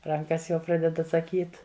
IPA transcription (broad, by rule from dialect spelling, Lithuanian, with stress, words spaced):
ˈrɐŋkɐs jɛʊ ˈprɑːdʲɛt ɐtsɐˈkʲiːt